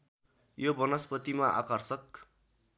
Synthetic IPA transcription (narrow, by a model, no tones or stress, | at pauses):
jobʌnʌspʌt̪imaʔa̰kʌrsʌk